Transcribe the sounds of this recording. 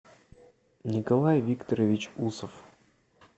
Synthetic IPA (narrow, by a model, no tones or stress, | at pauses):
nʲɪkɐlˠajvʲikt̪əɾəvʲɪt͡ɕusəf